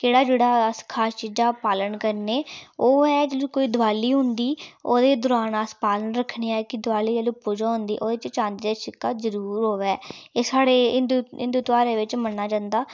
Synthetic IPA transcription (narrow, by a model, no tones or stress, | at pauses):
keːɽaːd͡ʒeːɽaːəskʰaːt͡ʃiːd͡ʒaːpaːlənkəɾneːoːɛːd͡ʒeːlũːkoːiːd̪ʊʋaːliːɦʊnd̪iːoːd̪eːd̪ʊɾaːnaːspaːlənɾəkʰːɳeːɛːkɪd̪ʊʋaːliːd͡ʒeːluːpuːd͡ʒãːɦʊ̃nd̪iːʔoːd̪eɪt͡ʃt͡ʃãːnd̪eːd̪eːʃɪkːaːzəɾuːɾɦoːʋɛːeːsaːɽeːɪnd̪ɪnd̪uːt̪ʋaːɾeːʋɪt͡ʃmənːaːd͡ʒãːnd̪aː